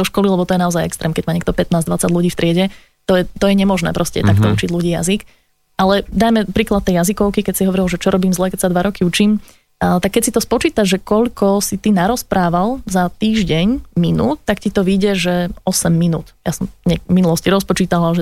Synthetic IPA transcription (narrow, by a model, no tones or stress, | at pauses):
d̪ɔʃkɔlilɛbɔt̪ɔjɛnaɔzajɛkst̪ɾɛːmkɛɟmaːɲɛkt̪ɔpɛt̪̚naːzd̪ʋat͡saɟluɟiːft̪ɾɪɛɟɛ | t̪ɔjɛt̪ɔjɛɲɛmɔʒnɛ̰ːpɾɔscɛ̰t̪ak̚t̪ɔut͡ʃiɟluɟiːja̰zik | ʔalɛd̪ajmɛpɾiːklat̪ːɛjjazikɔʊkikɛcsiɦɔʋɔɾilʒɛt͡ʃɔɾɔbiːmzlɛkɛcsad̪ʋaɾɔkiut͡ʃiːm | t̪akːɛcsit̪ɔspɔt͡ʃiːt̪aʒʒɛkɔʎkʰɔsit̪inaɾɔspɾaːʋalˠzat̪iːʒɟɛɲminuːt̪ːakcit̪ɔʋiɟɛʒɛɔsɛmːinuːt̪jasɔmɲɛminulɔsciɾɔspɔt͡ʃiːt̪aʋalʒɛ